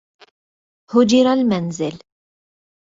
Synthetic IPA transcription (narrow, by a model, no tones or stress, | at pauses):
hʊd͡ʒɪɾalmanzɪl